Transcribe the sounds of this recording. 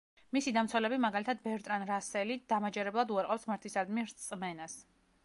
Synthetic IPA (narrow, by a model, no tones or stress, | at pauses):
misid̪amt̪sʰwɛlɛbimaɡalit̪ʰad̪̚bɛɾt̪ʼɾanɾasɛlid̪̥amad͡ʒɛɾɛblˠad̪uaɾqʼɔpsmaɾt̪ʰisaɾd̪miɾt̪sʼmɛnas